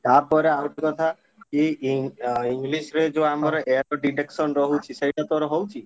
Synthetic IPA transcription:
t̪apɔɾeaʈikɔt̪ʰa | ki | iŋɡlisɾed͡ʒoamaɾɔʔeɾɔɖiʈeksɔnɾɔɦut͡ʃʰisejʈat̪ɔɾɔɦowt͡ʃʰi

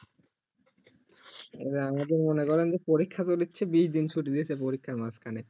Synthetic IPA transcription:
ḛʈaamad̪eɾmonekɔɾend͡ʑepoɾikʰːatoɾit̪ːɕʰebiʃd̪int͡ɕʰuʈid̪iet͡ɕʰepoɾikʰːaɾmaskʰane

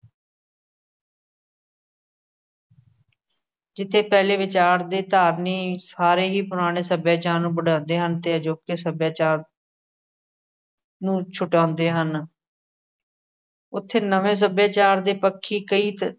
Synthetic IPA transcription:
d͡ʒɪt̪ʰːeːpɛːleːʋɪt͡ʃaːɾd̪eːt̪aːɾniːsaːɾeːɦiːpʊɾaːɽ̃eːsəbjaːt͡ʃaːɾnũːbəɖãːnd̪eːɦənt̪eːəd͡ʒoːkesəbjaːt͡ʃaːɾ | nũːt͡ʃʰʊʈãːnd̪eːɦən | ʊt̪ʰːeːnəʋẽːs̬əbjaːt͡ʃaːɾd̪eːpəkʰːiːkəiːt̪

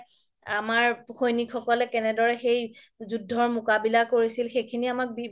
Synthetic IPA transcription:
amaɹxojnikʰxɔkɔlɛkɛnɛdɔɹɛxejzudʱːɔɹmʊkabilakoɹisilxejkʰiniamak̚bi

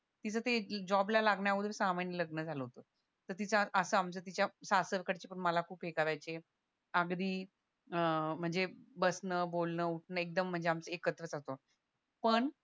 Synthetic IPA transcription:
t̪it͡sʰət̪ed͡ʑɔblalaɡɳjaud̪esamaɳjələɡnəd͡zʱaləɦot̪o | t̪əɾt̪it͡səʔəsəːamt͡sət̪̬it͡ɕjasasəɾkəɽt͡ɕepəɳməlakʰuːpɦekaɾajt͡se | əɡd̪iː | əm̤əɳd͡zebəsnəbolnəuʈʰnəːek̚d̪əm̤ːəɳd͡zeamt͡səekət̪ɾət͡sat̪o | pəɳ

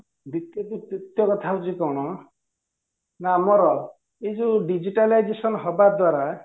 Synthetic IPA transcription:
d̪it̪jɔd̪it̪it̪jɔkɔt̪ʰaɦut͡ʃʰikɔwɽ̃ɔ | namɔɾɔ | ed͡ʒuɖid͡ʒiʈalajd͡ʒesɔnɦɔbad̪waɾa

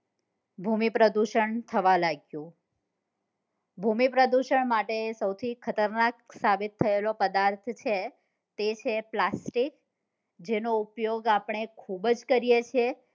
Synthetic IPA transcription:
bʱumipɾəd̪uʃəɳt̪ʰəʋalaɡjũ | bʱumipɾəd̪uʃəɳmaʈesəwt̪ʰikʰət̪əɾnaksabit̪ʰːəelopəd̪aɾt̪ʰt͡ʃʰe | t̪et͡ʃʰeplasʈik | d͡ʒenoupjoɡapɳ̃ekʰubd͡ʒkəɾijet͡ʃʰe

